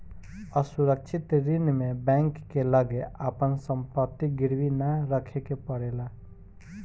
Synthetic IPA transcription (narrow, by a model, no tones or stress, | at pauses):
əsuɾəkt͡ʃʰɪt̪ɾɪnmẽbɛ̃ːŋkːeləɡeapənsə̃mpət̪ːiɡɪɾwinəɾəkʰekepəɽeːlaː